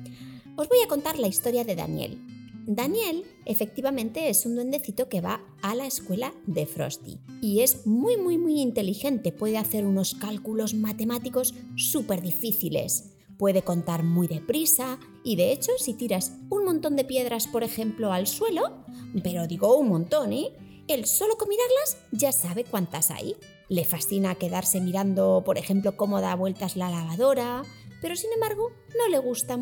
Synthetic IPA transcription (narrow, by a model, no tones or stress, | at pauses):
o̞zβo̞jako̞nt̪aɾlaist̪o̞ɾjaðe̞ða̰njḛld̪anje̞l | e̞fe̞k̚t̪iβamẽnt̪e̞esund̪we̞nd̪e̞θit̪o̞ke̞βa̰ː | lae̞skwe̞laðe̞fɾo̞̰st̪ḭie̞zmujmujmujint̪e̞lixe̞nt̪e̞pwe̞ðeaθe̞ɾuno̞skalkulo̞zmat̪e̞mat̪iko̞sːupe̞ɾðifiθilḛs | pwe̞ðe̞ko̞nt̪aɾmujðe̞pɾisa | iðe̞et͡ʃo̞sit̪iɾasuŋmõnt̪o̞nd̪e̞pje̞ðɾaspo̞ɾe̞xe̞mplo̞alswe̞lo̞pe̞ɾo̞ðiɣo̞uŋmõnt̪o̞ne | elso̞lo̞ko̞miðaɾlazʝasaβe̞kwant̪asa̰j | le̞fasθinake̞ðaɾse̞miɾand̪o̞po̞ɾʔe̞xe̞mplo̞komo̞ðaβwe̞lt̪azlalaβ̞aðo̞ɾape̞ɾo̞sine̞mbaɾɣ̞o̞ | no̞le̞ɣ̞ust̪a